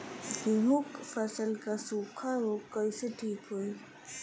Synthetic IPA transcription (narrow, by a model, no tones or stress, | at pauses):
kiɦʊkfɐsəlkasuːqʰaɾokəiseʈʰiːkɦoi